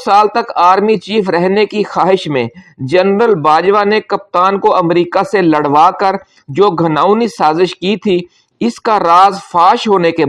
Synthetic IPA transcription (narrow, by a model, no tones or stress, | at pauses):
saːlt̪ɐkaːɾmit͡ʃiːfɾɛɦnekixaːɦɪʃmẽd͡ʒɐnɾəlbaːd͡ʒʋanekɐp̚t̪aːnkoɐmɾiːkaselɐɽʋaːkəɾ | d͡ʒoːɡʱɐnaːʊnisaːzɪʃkit̪ʰi | ɪskaɾaːzfaːʃɦoːneke